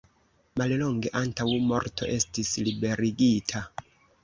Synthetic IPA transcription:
malloŋɡe̞ʔantawmo̞ɾtʰo̞̰ʔe̞stislibe̞ɾiɡitʰa

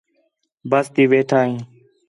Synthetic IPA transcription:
bəst̪iːʋeːʈʰaːɦĩː

